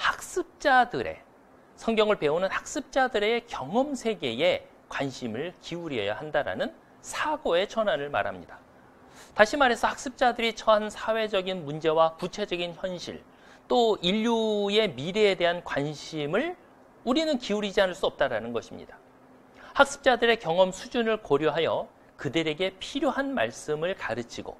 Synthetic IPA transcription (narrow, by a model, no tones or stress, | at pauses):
hak̚s͈ɯp̚t͡ɕ͈adɯɾe̞̰ | sʰʌŋɡjʌŋɯɭpe̞onɯnhak̚s͈ɯp̚t͡ɕ͈adɯɾe̞kjʌŋʌmsʰe̞ɡe̞e̞ | kwanɕʰimɯɭkiuɾiḛja̰handaɾa̰nɯn | sʰaɡoe̞t͡ɕʰʌnanɯɭma̰ɾɦa̰mɲida | taɕʰimaɾɦe̞sʰʌhak̚s͈ɯp̚t͡ɕ͈adɯɾit͡ɕʰʌɦansʰawe̞d͡ʑʌɡinmund͡ʑe̞wakut͡ɕʰe̞d͡ʑʌɡinçjʌnɕʰḭɭ | t͈oiʎːuje̞miɾeːde̞ɦankwanɕʰimɯɭ | uɾinɯnkiuɾid͡ʑiɦanɯɭs͈uʌp̚t͈aɾanɯnɡʌɕʰimɲḭd̥a | hak̚s͈ɯ̥p̚t͡ɕ͈adɯɾe̞kjʌŋʌmsʰud͡ʑunɯɭkoɾjoɦajʌ | kɯdɯɾe̞ɡe̞pʰiɾjoɦanma̰ɭs͈ɯmɯɭkaɾɯt͡ɕʰiɡo̰